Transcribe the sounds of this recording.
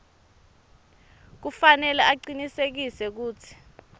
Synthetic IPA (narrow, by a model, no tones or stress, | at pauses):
k̬ufanɛlɛʔaǀinisek̬isɛk̬uːt͡sʰi̥